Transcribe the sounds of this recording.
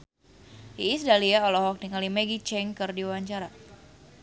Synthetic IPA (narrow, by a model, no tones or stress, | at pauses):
iːsdaliaɔlɔɦɔk̚niŋalimeɡit͡ʃɛŋkɨrdiwaɲt͡ʃaɾa